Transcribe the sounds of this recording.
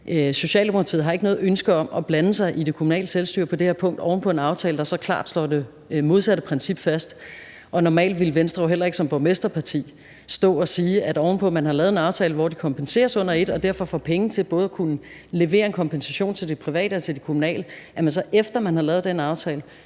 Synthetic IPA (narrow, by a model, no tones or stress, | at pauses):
ʔso̝ɕɛ̰ːld̥e̝mokʰʁɑt͡sʰḭð̩ˠɦɑ̈e̝ɡənɔ̽ːð̩ˠønsɡ̥əɒ̽mɒ̽b̥lænəsɑ̈ɪʔid̥e̝kʰomunɛ̰ːləselsd̥y̰ːɐ̰pʰɒ̽d̥eheɐpʰɔ̽ŋ̰ɡd̥ɒʊn̩pʰɒ̽e̝nɑ̈ʊt͡sʰɛːləd̥ɑ̈sɒ̽kʰlɑ̈ːd̥sl̥ɒ̰d̥e | mo̝ð̞ˠsæɾəpʰʁɛnsib̥fæsd̥ | ʔɒ̽nɒmɛ̰ːld̥ʋilʋensd̥ʁɑ̈ʊɦel̰ɐe̝ɡ̥əsɒ̽mb̥omesd̥ʁɐpʰɑ̈t͡sʰḭː | sd̥ɔ̰̽ːɒ̽siːæd̥ɒʊnəpʰɒ̽mænɦɑ̈lɛːð̩ˠe̝nɑ̈ʊt͡sʰɛːləʋɒd̥i̥kʰɒ̽mpʰense̝̰ːɐsɔ̽n̰ɐe̝d̥ɒ̽d̥æɐ̰fɒ̽fɒ̰ːpʰeŋət͡sʰe̝lb̥ɔ̽ːð̞̩ˠɒkʰunə | le̝ʋe̝̰ːɐe̝nkʰɒ̽mpʰensæɕo̝̰ːnt͡sʰe̝ld̥epʰʁiʋɛ̰ːd̥əet͡sʰe̝lde̝kʰomunɛ̰ːləjæmensɒ̽ʔefd̥ɐmænhɑ̈lɛːʊðˠd̥enɑ̈ʊt͡sʰɛːlə